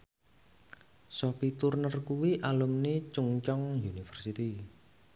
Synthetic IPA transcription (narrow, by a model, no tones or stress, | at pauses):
sɔpit̪urnərkuwiʔalumnit͡ʃuŋt͡ʃɔŋjunifərsit̪i